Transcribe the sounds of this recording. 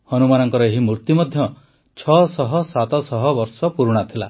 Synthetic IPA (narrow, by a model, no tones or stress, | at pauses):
hɔnumanɔŋkɔɾɔeɦimɾuɾt̪imɔd̪ʱjɔ | t͡ʃʰɔsɔɦɔsat̪ɔsɔɦɔbɔɾsɔpuɾuɽ̃at̪ʰila